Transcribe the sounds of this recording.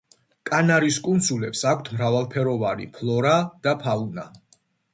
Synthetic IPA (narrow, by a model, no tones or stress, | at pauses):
kʼanaɾiskʼund̪sulɛpsakʷʰt̪ʰmɾavalˠpʰɛɾɔvaɾḭpʰlˠɔɾad̪̥apʰauna